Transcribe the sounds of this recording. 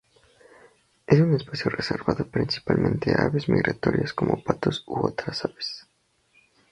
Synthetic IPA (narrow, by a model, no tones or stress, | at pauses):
es̬unespasjoreseɾβaðo̞pɾinsi̥palmẽnt̪eaβezmiɣɾat̪o̞ɾjaskomʔopat̪osoot̪ɾasaβe̥s